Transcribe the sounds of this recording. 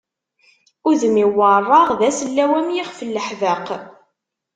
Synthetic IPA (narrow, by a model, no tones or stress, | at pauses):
ʊðəmiwːərˤːɑʁðæsəlːæwæmjɪχfəlːəħvəq